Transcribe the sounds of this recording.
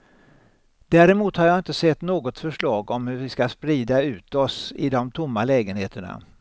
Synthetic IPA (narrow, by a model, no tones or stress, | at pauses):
d̪̥æːɾɛmuːt̪haɾjɑːɪnt̪əsɛt̪ːnoːɡɔt̪fœʂɭɑːɡɔmhɵɾvɪskaspɾiːd̪aʉ̟ːt̪ɔsɪ̰d̪ɔmt̪ʰʊmːalɛːɡənheːt̪əɳa̰